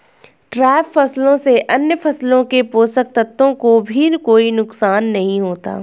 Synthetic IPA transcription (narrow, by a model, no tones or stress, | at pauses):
ʈɾɛːfʰːɐslõseʔɐnjəpʰɐslõkepoːsək̚t̪ɐt̪ːõkobʱinkoːinʊksaːnːɐɦĩɦoːt̪a̰ː